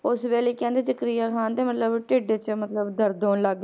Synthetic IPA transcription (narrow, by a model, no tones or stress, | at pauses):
ʊsʋɛːliːkɛ̃ːnd̪eːd͡ʒəkɾijaːkʰãːnd̪eːmət̪ləbʈeːɖeːt͡ʃmət̪ləbd̪əɾd̪oːnlaɡeː